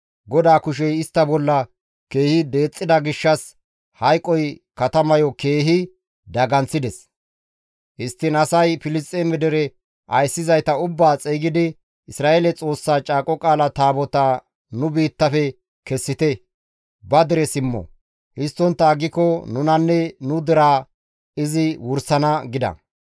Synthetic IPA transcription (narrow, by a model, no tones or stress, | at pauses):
ɡɔd̪aːkʊʃ̬ɛjɪst̪ːɐbɔlːɐ | ke̞ːhɪd̪e̞ːt͡sʼːɪd̪ɐɡɪʃːɐs | hɐjkʼːɔjkɐt̪ɐmɐjɔke̞ːɦɪ | d̪ɐɡɐnt͡sːɪd̪ɛs | ʔɪst̪ːɪnɐsɐjfɪlɪst̪ʼemɛd̪ɛɾɛ | ʔɐjsːɪzɐjt̪ɐʊbːaːt͡sʼeːɡɪd̪ɪ | ɪsɾaːʔelɛt͡sʼo̞ːsːaːt͡ʃʼaːkʼɔkʼaːlɐt̪aːbɔt̪a | nʊbiːt̪ːɐfɛ | kɛsːɪt̪ɛ | bɐd̪ɛɾɛsɪmːɔ̰ | hɪst̪ːɔnt̪ːɐːɡɪkɔnʊnɐnːɛnʊd̪ɛɾaː | ɪzɪwʊɾsɐnɐɡɪd̪ɐ̰